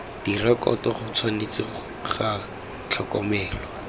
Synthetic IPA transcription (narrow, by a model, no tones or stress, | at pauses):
d̥irakɔ̰tɔχʊt͡sʰwanet͡sɪ | χa | t͡ɬʰɔkɔmɛːlɔ